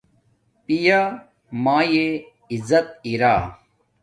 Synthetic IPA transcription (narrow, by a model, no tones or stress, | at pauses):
pija | maːje | izɐt̪̚iɾaː